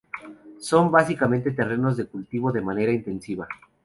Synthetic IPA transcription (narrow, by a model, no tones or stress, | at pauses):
so̞mbasikamẽnt̪e̞t̪e̞re̞no̞zðekult̪iβo̞ðe̞mane̞ɾaint̪e̞nsiβa